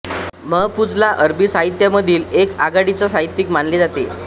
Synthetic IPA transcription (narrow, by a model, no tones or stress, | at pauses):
məɦpud͡zlaʔəɾbisaɦit̪jaməd̪ʱiːlekaɡaɽit͡sasaɦit̪ːikmanled͡zat̪e